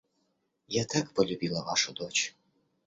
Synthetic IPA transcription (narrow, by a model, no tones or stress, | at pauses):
jat̪ʰakpʰɐlʲubʲilˠɐʔa̰ʂɐd̪ot͡ʃʰ